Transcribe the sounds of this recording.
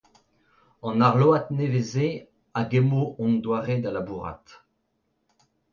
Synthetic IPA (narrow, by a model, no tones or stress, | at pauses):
ɑ̃naʁloat̪neveze | aɡemoʔɔ̃nd̪waʁed̪alabuʁa̰t̪